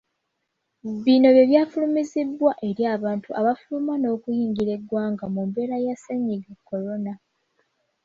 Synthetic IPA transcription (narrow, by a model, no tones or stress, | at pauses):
βino̞βje̞βjaːfulumizibwaʔe̞ɾjaːβaːntuʔaβafulumwano̞ːkujiːŋɡiɾe̞ɡwaːŋɡamumbe̞ːɾajaseɲːiɡekʰːo̞lo̞na